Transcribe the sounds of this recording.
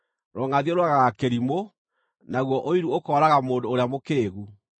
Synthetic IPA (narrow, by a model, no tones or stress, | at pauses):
ɾɔŋaðiɔɾwaɣaɣakeɾimo | naɣwɔʔoiɾuokɔːɾaɣamoːndoːɾeamokeeɣu